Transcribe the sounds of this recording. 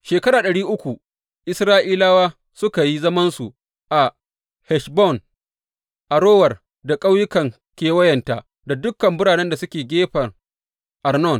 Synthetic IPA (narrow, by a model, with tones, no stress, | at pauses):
ʃeː˨kɐ˦ɾaː˨ɗɐ˨ɽiː˦ʔʊ˦kʷu˨ | ʔɪ˦sɾaː˦ʔiː˦laː˦waː˦ | sʊ˦ka˨ji˦zɐ˦mɐ˦nsu˨ | ʔa˨ | hɛ˨ʃbɔ˦˨n | ʔa˨ɽoː˦wɐ˨r | da˨kʼa˦wjʊ˦kɐ˨ŋ | kʲeː˨˦wɐ˦jɐ˨nta˦ʔ | da˨dʊ˦kːɐ˨mbʊ˦ɽaː˨nɛ˦nda˨sʊ˦kʲeː˨ɡʲeː˦ɸɐ˨r | ʔa˨rnɔ˦˨n